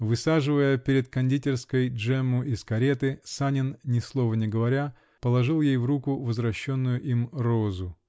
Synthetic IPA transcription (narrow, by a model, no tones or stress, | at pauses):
vɨsaʐɨvəjəpʲɪɾʲɪt̪̚kɐnʲdʲitʲɪrskəjʐɛmːʊʔɪskɐɾʲe̞t̪ɨsanʲɪnnʲɪslˠo̞vənʲɪɡəvɐɾʲa | pəlˠɐʐɨlˠjejvrukʊvəzvɾɐɕːo̞nːʊjʊʔimro̞zʊ